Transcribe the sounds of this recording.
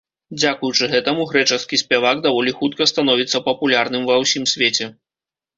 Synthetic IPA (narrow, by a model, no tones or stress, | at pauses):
d͡zʲakujut͡ʂɨɣɛt̪ɐmuɣɾɛt͡ʂɐskʲisʲpʲɛvaɡd̪avɔlʲixut̪̚kɐst̪anɔvʲit̪sːɐpɐpulʲarnɨmvɐwsʲimsʲvʲet͡sʲɛ